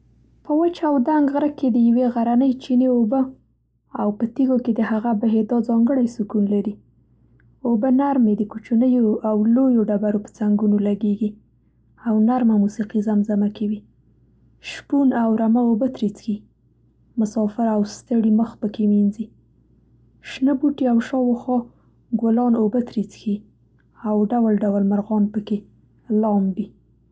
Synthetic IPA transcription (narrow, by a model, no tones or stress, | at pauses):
pəwət͡ʃawd̪aŋɡɣɾəked̪əjaweɣaɾanəjt͡ʃineobə | awpət̪iɡoked̪əhaɣabaɦed̪ɑzɑŋɡəɽajsukunlaɾi | obənaɾmed̪əkut͡ʃunəjoawlojoɖabaɾopə̥t͡saŋɡunolaɡeɡi | awnaɾmamusiqizamzamakawi | ʃpunawɾamaobət̪ɾit͡sxi | mʊsɑfɪɾawst̪əɽiməxpəkeminzi | ʃnəbuʈiawʃɑwoxɑ | ɡolɑnobət̪ɾit͡sxi | awɖawlɖawalmaɾɣɑnpəke | lɑmbi